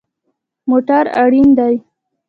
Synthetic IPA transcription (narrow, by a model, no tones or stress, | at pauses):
moʈaɾa̰ɽind̪aj